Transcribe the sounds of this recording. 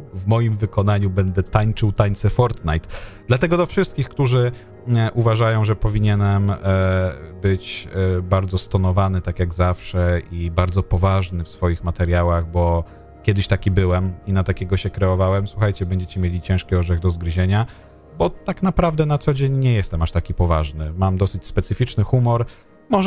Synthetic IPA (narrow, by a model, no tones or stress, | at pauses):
vmɔjimvɘkɔnaɲubɛnd̪ɛt̪aɲt͡ʂɘwt̪aɲt̪sɛfɔɾt̪najt̪d̪̥lat̪ɛɡɔd̪ɔfʂɘst̪̚kʲixkt̪uʐɘ | ʔuvaʐajɔ̃w̃ʐɛpɔvʲiɲɛnɛm | bɘt͡ɕbaɾd̪zɔst̪ɔnɔvanɘt̪akʲjaɡzafʂɛibaɾd̪zɔpɔvaʐnɘfsfɔjixmat̪ɛɾʲjawaɣbɔ | kʲɛd̪ɘɕt̪akʲibɘwɛminat̪akʲɛɡɔɕɛkɾɛɔvawɛmswuxajt͡ɕɛbɛɲd͡ʑet͡ɕɛmʲjelʲit͡ɕɛ̃ʂkʲiɔʐɛɣd̪ɔzɡɾʑeɲa | bɔt̪aknapɾavd̪ɛnat̪sɔd͡ʑeɲɲɛjɛst̪ɛmaʂt̪akʲipɔvaʐnɘmamd̪ɔsɘt͡ɕspɛt̪sɘfʲit͡ʂnɘxumɔɾ | mɔʐ